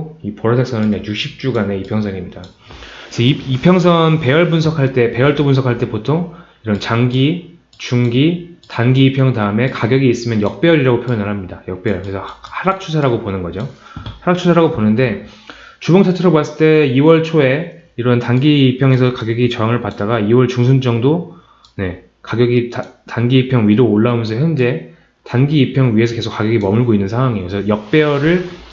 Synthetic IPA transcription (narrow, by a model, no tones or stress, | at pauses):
ipoɾʌsʰek̚s͈ʌnɯnjaɡjukɕʰip̚t͡ɕ͈uɡane̞ipʰjʌŋsʰʌŋimɲida | esʰʌiipʰjʌŋs̬ʰʌnpe̞jʌɭbunsʰʌkʰaɭt͈e̞pe̞jʌɭt͈opunsʰʌkʰaɭt͈e̞potʰoŋ | iɾʌnt͡ɕaŋɡi | t͡ɕuŋɡitanɡiːpʰjʌŋdaɯme̞kaɡjʌɡiːs͈ɯmjʌnjʌk̚p͈eʌɾiɾaɡopʰjojʌnɯɭɦamɲidajʌk̚p͈ejʌɭkɯɾesʰʌhaɾak̚t͡ɕʰusʰaɾaɡoponɯnɡʌd͡ʑohaɾak̚t͡ɕʰusʰaɾaɡoponɯnde̞ | t͡ɕuboŋtʰatʰɯɾobwas͈ɯɭt͈e̞iwʌɭt͡ɕʰoe̞iɾʌntanɡiːpʰjʌŋe̞sʰʌkaɡjʌɡit͡ɕʌaŋɯɭpat̚t͈aɡaiwʌɭt͡ɕuŋsʰund͡ʑʌŋdo | ne̞ | kaɡjʌɡittanɡiːpʰjʌŋɥiɾoːɭːaomjʌnsʰʌçjʌnd͡ʑe̞ | tanɡiːpʰjʌŋɥie̞sʰʌke̞sʰok͈aɡjʌɡimʌmɯɭɡoinːɯnsʰaŋwaŋejosʰʌjʌk̚p͈e̞ʌɾɯɭ